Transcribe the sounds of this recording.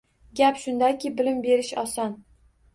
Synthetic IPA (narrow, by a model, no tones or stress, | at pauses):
ɡʲapʃʊnd̪ajkʲɪbɪlɪmbe̞ɾɪʃɒsɒn